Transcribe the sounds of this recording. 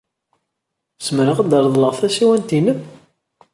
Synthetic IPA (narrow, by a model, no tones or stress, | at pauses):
səmɾəʁəd̪əɾˤðˤləʁfæsiwænt̪inəθ